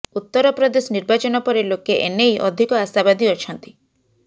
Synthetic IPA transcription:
ut̪ːɔɾɔpɾɔd̪esɔniɾbat͡ʃɔnɔpɔɾelokeʔenejʔɔd̪ʱikɔasabad̪ʱiɔt͡ʃʰɔnt̪i̥

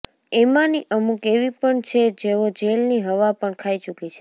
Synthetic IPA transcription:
emãniʔəmukeʋipəɳt͡ʃʰed͡ʒeʋod͡ʒelniɦəʋapəɳkʰait͡ʃukit͡ʃʰe̥

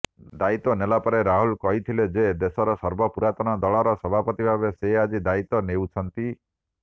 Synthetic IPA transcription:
d̪ait̪ɔnelapɔɾeɾaɦulkɔɦit̪ʰiled͡ʒed̪esɔɾɔsɔɾbɔpuɾat̪ɔñɔd̪ɔɭɔɾɔsɔbʱapɔt̪ibʱabesead͡ʒid̪ait̪ɔnewt͡ʃʰɔnt̪i

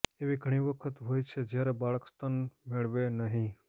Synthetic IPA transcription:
eʋiɡʱəɽ̃iʋəkʰət̪ɦoːjt͡ʃʰed͡ʒjaɾebaːɭəkst̪ʰənmɪɭʋenəɦĩ

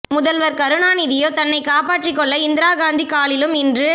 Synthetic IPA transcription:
mʊðɐlʋɐɾkɐɾɯɳaːnɪðɪjoːt̪ɐnːɐɪkaːpaːʈrɪkːɔɭːɐɪnd̪ɪɾaːɡaːnd̪ikaːɭɪlɯmɪndrɯ

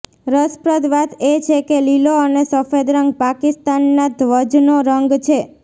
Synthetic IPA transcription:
ɾəspɾəd̪ʋat̪et͡ʃʰekeliloənesəfed̪ɾəŋɡ̚pakist̪anːad̪ʱʋəd͡ʒnoɾəŋɡt͡ʃʰe

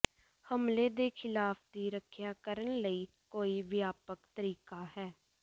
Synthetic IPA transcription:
həmleːd̪eːkʰɪlaːpʰd̪iːɾəkʰjaːkəɾənləiː | koːiːʋɪjaːpəkt̪əɾiːkaːɦɛː

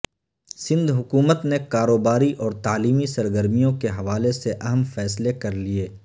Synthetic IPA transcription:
sɪ̃nd̪ʱɦʊkuːmət̪nekaːɾoːbaːɾiʔɔːɾt̪aːliːmisɐɾɡəɾmijõkeɦɐʋaːleseʔɐɦəmfɛːslekɐɾlieː

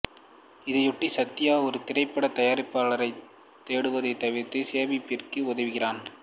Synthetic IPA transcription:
ɪðɐɪjʊʈːisɐt̪ːɪjaːɔɾɯt̪ɪrɐɪpːɐɽɐt̪ɐjaːɾɪpːaːɭɐɾɐɪ | t̪ːeːɽɯʋɐðɐɪt̪ːɐʋɪɾt̪ːɯseːʋipːɪrkɯʊðɐʋɯɣɪraːn

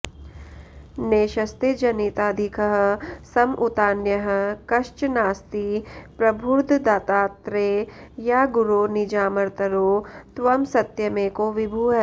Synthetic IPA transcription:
neːʃɐst̪ed͡ʒɐnit̪aːd̪ʱɪkəɦə̆sɐmʔut̪aːnjɐɦɐ̆kɐʃt͡ʃnaːst̪ipɾɐbʱuɾd̪ʱd̪aːt̪aːt̪ɾejaːɡʊɾonɪd͡ʒaːmɐɾt̪ɐɾot̪ʋɐmsɐt̪jɐmẽkoʋɪbʱuːɦɛ

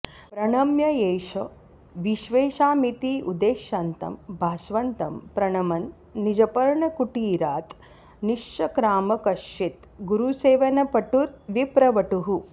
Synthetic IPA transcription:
pɾɐɳɐmjɐjeːʃɐ | ʋiʃʋeːʃaːmit̪iːʔud̪eːʃjant̪ɐ̰mbʱaːsʋɐnt̪ɐmpɾɐɳɐmɐnː | id͡ʒɐpɐɾɳɐkuʈiːɾaːt̪ | niʂt͡ʃɐkɾaːmɐkɐʃit̪ | ɡuɾuseːʋɐnɐpɐʈuɾʋipɾɐʋɐʈuɦu

